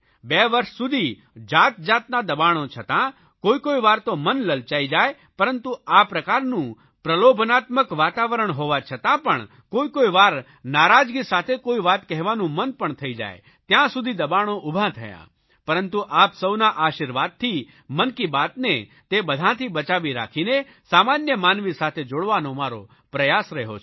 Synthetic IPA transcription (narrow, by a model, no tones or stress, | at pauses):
beʋəɾʃsud̪ʱi | d͡ʒaːt̪̚d͡ʒaːt̪nad̪əbaɽ̃ot͡ʃʰət̪ã | koikoiʋaːɾt̪omənləlt͡ʃaid͡ʒaːe | pəɾənt̪uapɾəkaɾnũ | pɾəlobʱnat̪məkʋaːt̪aʋəɾəɳɦoʋat͡ʃʰət̪ãpəɳ | koikoiʋaːɾ | naɾad͡ʒɡisat̪ʰekoiʋat̪kɛɦʋanũmənpəɳt̪ʰəid͡ʒa̰j | t̪jãsud̪ʱid̪əbaɽ̃oʔubʱat̪ʰəja̰ | pəɾənt̪uʔapsəwnaʔaʃiɾʋad̪̚t̪ʰi | mənkibat̪ne | t̪ebəd̪ʱãt̪ʰibət͡ʃaʋiɾa̰kʰine | samanjəmanʋisat̪ʰed͡ʒoɽʋanomaɾo̰ | pɾəjasɾɛɦo̰t͡ʃʰ